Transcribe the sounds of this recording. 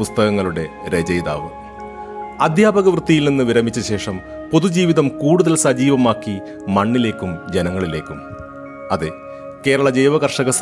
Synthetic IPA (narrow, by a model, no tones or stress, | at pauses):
ust̪ɐɣɐŋːɐɭuɽe̞ɾe̞d͡ʑɐjd̪a̰ːʋɨ | ɐd̪ʱjaːbɐɣɐʋrɨt̪ːijilninːɨʋiɾɐmit͡ɕːɐɕe̞ːʂɐm | po̞ðud͡ʑiːʋiðɐmkuːɽuðɐlsɐd͡ʑiːʋɐmaːkːi | mɐɳːile̞ːkːumd͡ʑenɐŋːɐɭile̞ːkːum | ɐðe | ke̞ːɾɐɭɐd͡ʑejʋɐɣɐrʂɐɣɐs